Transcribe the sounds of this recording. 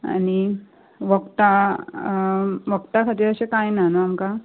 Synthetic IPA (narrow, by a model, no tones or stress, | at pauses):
a̰ñi | ʋəkt̪a | ʋəkt̪akʰat̪iːɾəɕekajnanəamka